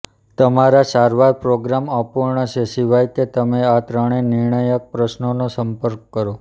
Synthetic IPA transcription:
t̪əmaɾasaɾʋaɾpɾoɡɾaməpuɾɳət͡ʃʰesiʋajket̪əmeat̪ɾəɽ̃enɪɾɳəjək̚pɾəʃnonosəmpəɾkːəɾo

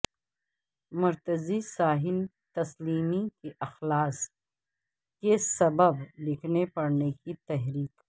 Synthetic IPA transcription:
mʊɾt̪əzisaːɦɪl | t̪ɐsliːmikiʔɐxlaːs | kesɐbəblɪkʰnepɐɽnekit̪ɛɦɾiːqː

